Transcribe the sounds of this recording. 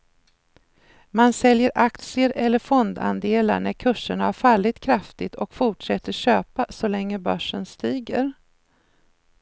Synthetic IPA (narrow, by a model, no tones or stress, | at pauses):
mansɛljəɾʔak̚t̪sɪəɾɛlːəɾfɔnd̪a̰nd̪eːla̰ɳæɾkʰɵʂːəɳaæɾfalːɪt̪kʰɾaft̪ɪt̪ʰɔkfʊʈʂɛt̪ːəɕøːpasɔlɛŋːəbœʂːənst̪iːɡəɾ